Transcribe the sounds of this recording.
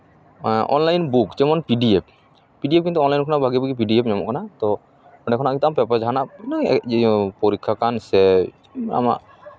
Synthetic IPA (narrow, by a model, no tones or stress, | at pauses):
ʔɔ̰nlajnbukd͡ʒɛmɔnpiɖiep̚ | piɖiepkint̪uɔnlajnkʰɔnaʔbʱaɡibiɡip̬iɖiepɲɔmɔ̰ʔkʰanat̪ɔ | ɔɖɛkʰɔnaʔkĩnt̪ampɛpad͡ʒaɦanaʔna | poɾikʰːakansɛ | a̰ma̰ʔ